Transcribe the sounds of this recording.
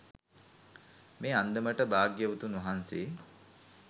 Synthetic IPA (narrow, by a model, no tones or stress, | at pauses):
meːand̪əməʈəbaːɡjəʋut̪unʋaɦanseː